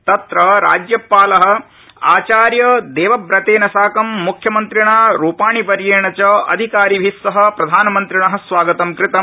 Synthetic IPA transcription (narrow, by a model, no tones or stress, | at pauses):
t̪ɐt̪ɾɐɾa̰ːd͡ʒjɐpaːlɐɦɐ̆ | a̰ːt͡ʃaːɾjɐd̪eːʋɐbɾɐt̪eːnɐsaːkɐmːukʰjɐmɐnt̪ɾiɳaːɾuːpaːɳipɐɾjeːɳɐt͡ʃɐɐ̰d̪ʱikaːɾiʋʱisːɐɦɐ̆pɾɐd̪ʱaːnɐmɐnt̪ɾiɳɐɦɐ̆sʋaːɡɐt̪ɐmkɾɪt̪ɐ